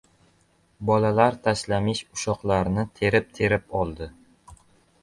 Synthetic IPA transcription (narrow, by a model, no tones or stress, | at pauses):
bɒlalaɾt̪ʰaslamɪʃʊʃɒqlˠaɾnɪt̪ʰe̞ɾɪp̚t̪ʰe̞ɾɪpɒlˠd̪ɪ